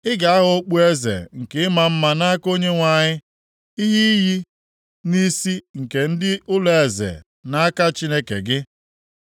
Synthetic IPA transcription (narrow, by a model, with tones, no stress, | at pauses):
ɪ˦ɡa˨a˦ɦo˦k͡pu˦e˦zḛ˨ŋ̩˨kɪ˨ɪ˦ma˨m̩˦ma˨na˦ko˦ɲe˦ŋʷa˨ɲɪ˦ | i˦ɦi˦ji˦ | ni˦si˦ŋ̩˨ke˨n̩˦dɪ˦ʔʊ˦le˨e˨zḛ˨ | na˦a˦ka˦t͡ʃi˦ne˦kḛ˨ɡɪ˦